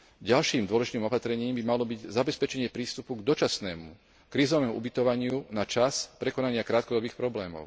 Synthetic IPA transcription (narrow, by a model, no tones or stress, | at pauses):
ɟalʃiːmd̪ʊɔlɛʒit̪iːmɔpat̪ɾɛɲiːmbimalɔbiɟzabɛspɛt͡ʃɛɲɪɛpɾiːst̪upuɡd̪ɔt͡ʃasnɛːmṵ | kɾiːzɔʋɛːmuʔṵbit̪ɔʋaɲɪunat͡ʃaspɾɛkɔnaɲɪakɾaːt̪̚kɔd̪ɔbiːxpɾɔblɛːmɔ̰ʊ